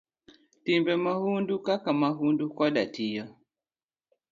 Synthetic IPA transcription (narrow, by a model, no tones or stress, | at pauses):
timbɛmahundukakamaɦundukwaɗatijɔ